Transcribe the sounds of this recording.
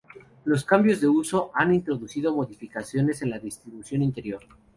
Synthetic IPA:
lo̞s̬kambjo̞zðe̞uso̞ʔanint̪ɾo̞ðusið̞o̞mo̞ðifikasjo̞ne̞se̞nlaðist̪ɾiβusjo̞nint̪e̞ɾjo̞ɾ

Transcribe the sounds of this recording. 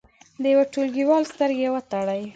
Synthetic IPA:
d̪əjaweʈolɡiwɑlst̪əɾɡewət̪aɽaj

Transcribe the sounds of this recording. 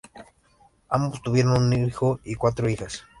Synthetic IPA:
ambost̪uβjeɾonniixoikwat̪ɾoixas

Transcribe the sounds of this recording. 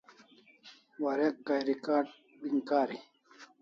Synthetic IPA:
waɾek̚ɡajɾikaːʈ̚ | biŋkaːɾi

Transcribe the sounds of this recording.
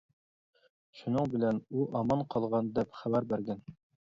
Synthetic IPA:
ʃunɤɴbɘ̆lænuʔɑmɑnqʰɑlˠʁɑnd̪ɛpχæbæɾbæɾɡʲæn

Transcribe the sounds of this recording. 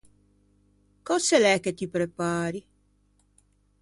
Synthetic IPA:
kɔsɛlɛkːet̪ːipɾepaːɾi

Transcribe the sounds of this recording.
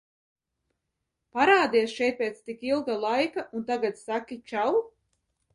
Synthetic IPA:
paɾaːd̪iɛsʃɛjt̪̚pʲeːt̪st̪ikilˠɡalˠajkaʔunt̪aɡat̪sakʲit͡ʃaw

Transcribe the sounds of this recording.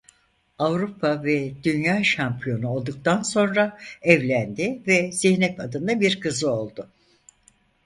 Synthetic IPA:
avɾupʰavɛd̪ynjaːʃampʰijo̞nuo̞lˠd̪uk̚t̪ʰanso̞nɾaɛvlʲænd̪ɪvɛziçnɛt̪ad̪ɯnd̪abiɾkʰɯzɯo̞lˠd̪ʊ

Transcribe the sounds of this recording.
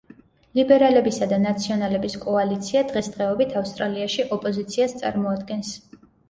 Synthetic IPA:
libɛɾalɛbisad̪anat̪sʰiɔnalɛbiskʼɔalit̪sʰiad̪ʁɛsd̪ʁɛɔbit̪ʰafst̪ʼɾaliaʃiʔɔpʼɔzit̪sʰiast̪sʼa̰ɾmɔad̪ɡɛns

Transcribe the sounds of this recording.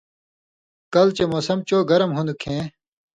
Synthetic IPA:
kɐlt͡ɕemoːsɐmt͡ɕoːɡɐɾɐmɦund̪ukʰẽː

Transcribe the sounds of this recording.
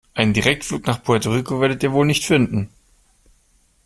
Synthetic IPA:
ʔaɪnəndiʁɛk̚tfluːknaːχpʰɔɐtoʁikoveːɐɾətiːɐvoːlnɪçtfɪndn̩

